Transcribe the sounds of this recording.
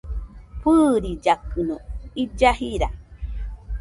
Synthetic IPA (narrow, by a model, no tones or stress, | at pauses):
pɨɾid͡ʒakɨnõid͡ʒahiɾa